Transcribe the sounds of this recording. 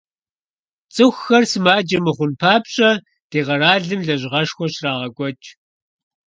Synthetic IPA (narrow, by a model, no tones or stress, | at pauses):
t͡sʼɨxxɐrsɨmaːd͡ʒɐmɨχʷʊnpʰaːpɕʼɐ | d̥eːʁɐraːɮɨmɮɐʑʁɐʃxʷɔɕraːʁɐɡʷʼɔt͡ʃʼ